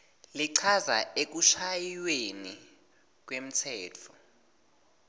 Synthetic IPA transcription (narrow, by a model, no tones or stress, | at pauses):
liǀʰazaek̬uʃajweni | k̬wem̩tʰɛːt͡fʰɔ